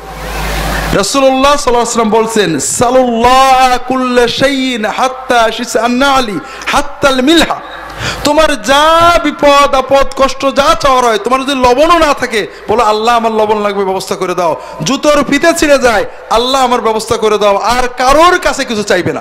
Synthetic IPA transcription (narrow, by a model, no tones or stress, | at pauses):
ɾɔsulolːasɔlːasalːambolt͡ɕʰensalulːɑakulːʃejnħat̪ːaʃisanːali | ħat̪ːalmilha | t̪omaɾd͡ʑabipod̪apɔt̪kɔʃʈod͡ʑat͡ɕaoaɾɔet̪omaɾd͡ʑod̪ilɔbononat̪ʰake | bɔloalːaamaɾlɔbonlaɡbebɛbost̪ʰakoɾed̪ao | d͡ʑut̪oɾfʰit̪et͡ɕʰiled͡ʑae | alːaamaɾbɛbost̪ʰakoɾed̪ɛaoʔaɾkaɾoɾkat͡ɕʰekit͡ɕʰut͡ɕajbena̰